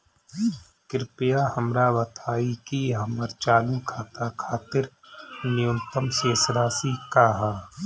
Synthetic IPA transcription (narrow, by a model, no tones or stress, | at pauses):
kɪɾpɪjaːhɐmɾaːʋɐt̪ʰaːikiɦɐməɾt͡ʃaːlukʰaːt̪akʰaːt̪ɪɾ | nɪjʊ̃nt̪əmseːsɾaːsikaːɦaː